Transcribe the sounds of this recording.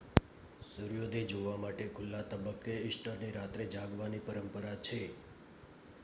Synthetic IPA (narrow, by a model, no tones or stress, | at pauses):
sʊɾjod̪ʱed͡ʒoʋamaʈekʰʊlːat̪əbəkːeɪsʈəɾniɾat̪ɾed͡ʒaɡʋanipəɾəmpəɾat͡ʃʰe